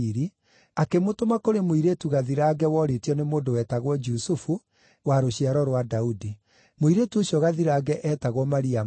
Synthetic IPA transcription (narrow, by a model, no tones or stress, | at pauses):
iɾi | akemotomakoɾemoiɾetuɣaðiɾaɡɛwɔɾetiɔnemoːndowɛːtaɣwɔd͡ʒusufu | waɾoɕiaɾɔɾwadaudi | moiɾetuoɕjɔɣaðiɾaːɡɛʔɛːtaɣwɔmaɾia